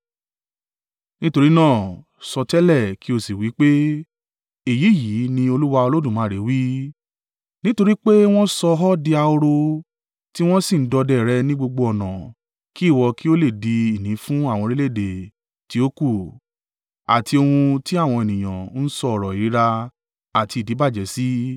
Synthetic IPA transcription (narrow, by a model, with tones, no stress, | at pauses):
nĩ˦to˧ɾi˦nãː˦˨ | sɔ˧tɛ˦lɛ˦˨ki˦o˧si˨wi˨˦k͡pe˦ | i˨ji˨˦˨ji˨˦nĩ˧o˧lu˦wa˧o˧lo˦dũ˦˨mãː˨˦˨ɾe˨˦wi˦ | nĩ˦to˧ɾi˦k͡pe˦w̃ɔ̃˦sɔ˧ɦɔ˦di˧a˧o˧ɾo˧ | ti˦w̃ɔ̃˦si˦˨n̩˦dɔ˧dɛ˦˨ɾɛ˧nĩ˦ɡ͡bo˧ɡ͡bo˧ɔ˨nã̰˨ | ki˦˨wɔ˧ki˦o˦le˦˨di˧i˨nĩ˨˦fũ˦a˦˨w̃ɔ̃˧ɾe˦le˦˨de˨ | ti˨˦o˦ku˦˨ | a̰˨tʰi˧o˧hũ˧ti˦a˦˨w̃ɔ̃˧e˨nĩ˨j̃ã̰˨n̩˦sɔ˧ɔ˦˨ɾɔ˨i˨˦ɾa˧ | a˨ti˧˨di˨˦ba˦˨d͡ʒɛ˨si˦